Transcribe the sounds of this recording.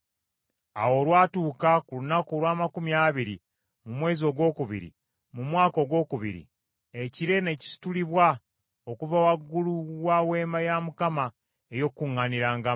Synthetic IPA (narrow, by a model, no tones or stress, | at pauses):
a̰wo̞ːlwaːtuːkakulunakolwaːmakumjaːβiɾḭ | mumwe̞ːzio̞ɡwo̞ːkuβḭɾḭ | mumwaːko̞ɡwo̞ːkuβḭɾḭ | eciɾe̞ne̞ci̥si̥tuliβwa | o̞kuvawaɡːuluwawe̞ːmajamukama | ejo̞kːuŋːaniɾaːŋɡa